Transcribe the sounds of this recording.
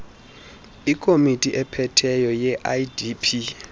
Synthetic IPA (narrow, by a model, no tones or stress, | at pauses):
ikʰʼomitʼiʔɛpʰɛtʰɛjɔjɛʔajdipʰi